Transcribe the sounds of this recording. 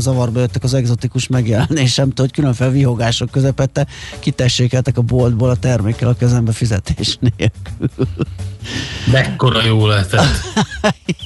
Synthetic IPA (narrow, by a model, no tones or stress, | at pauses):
zɒvɒrbɒjøt̪ːɛkɒzɛɡzo̞t̪ikuʃmɛɡjɛlɛneːʃɛmt̪ɛho̞ckylø̞ɱfelviɦo̞ɡaːʃo̞kːøzɛpɛt̪ːɛkit̪ɛʃːeːkɛlt̪ɛkɒbold̪boːlɒt̪ɛrmeːkːɛlɒkiɒzɛmbɛfizɛt̪eːʃneːlkylll | mɛkːo̞ɾɒjoːlɛt̪ɛt̪ː